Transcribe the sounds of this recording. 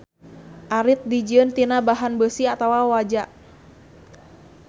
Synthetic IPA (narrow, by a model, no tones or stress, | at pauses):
ʔaɾɪt̪̚did͡ʒiənt̪inabaɦanbəsiat̪awawad͡ʒaʔ